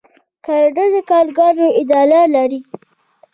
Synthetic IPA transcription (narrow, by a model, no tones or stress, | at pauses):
kaɖədəkɑɾɡɑnoɪd̪ɑlalaɾi